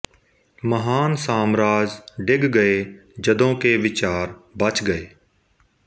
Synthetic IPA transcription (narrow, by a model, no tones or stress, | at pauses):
məɦaːnsaːmɾaːd͡ʒɖɪɡɡəeːd͡ʒəd̪õːkeːʋɪt͡ʃaːɾbət͡ʃɡəeː